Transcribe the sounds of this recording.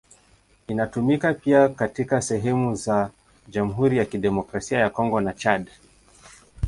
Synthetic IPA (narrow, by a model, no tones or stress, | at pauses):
inatumikapiakatikasɛɦɛmuza | d͡ʒamuɦuɾijakiɗɛmɔkɾasiajakɔŋɡɔnat͡ʃad